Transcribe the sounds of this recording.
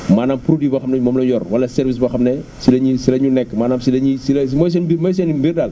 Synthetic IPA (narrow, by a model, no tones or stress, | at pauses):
maːnaːmpɾodibɐxɐmnɛɲmɔːmlɔjɔrwɐlɐsɛɾvisbɐxɐmnɛsilɐɲisilɐɲunɛkːmaːnaːmsilɐɲisilɐsmɔjs̬ɛnbimɔjs̬ɛnibirdaːl